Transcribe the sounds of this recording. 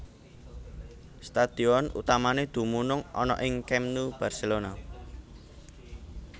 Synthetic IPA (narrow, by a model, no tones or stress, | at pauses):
st̪ad̪̥i̤ɔnṵt̪amaned̪̥ṳmunʊŋɔ̰nɔ̰ʔɪŋkɛmnub̥a̤rselona